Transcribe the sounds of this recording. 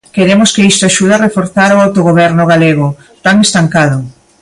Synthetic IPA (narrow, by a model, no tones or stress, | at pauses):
keɾemʊskɪist̪oaʃuðarefoɾθaɾʊawt̪oɣoβ̞ɛɾnʊɣ̞aleɣʊ | t̪aŋest̪aŋkaðʊ